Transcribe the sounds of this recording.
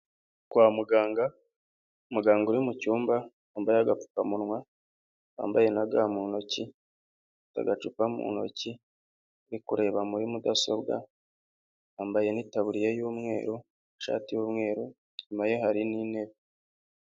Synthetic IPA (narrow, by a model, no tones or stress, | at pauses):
kwaːmuɡaːŋɡa | muɡaːŋɡuɾimucuːmba | aːmbajeaɡap͡fu̥kamunŋwa | a̰ːmbaje̞naɡaːmuːno̞ci | ta̰ɡat͡ʃupamṵːno̞̰ci | uɾikuɾe̞ːβamuɾimudaso̞bɡa̰ | aːmbaje̞niːtaβuɾijejuːmŋe̞ːɾu | aʃa̰ːtijuːmŋe̞ːɾu | ɲumaje̞ɦaɾinine̞βe